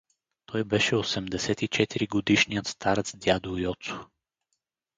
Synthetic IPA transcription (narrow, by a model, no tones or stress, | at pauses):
t̪ʰɔjbɛʃɛosɛmd̪ɛsɛt̪it͡ʃɛt̪iɾiɡod̪iʃnijət̪st̪aɾət̪sd̪ʲjad̪ojɔt̪sʊ̥